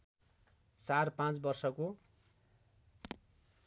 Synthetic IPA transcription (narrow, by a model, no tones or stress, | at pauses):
t͡sarpãt͡sbʌrsʌko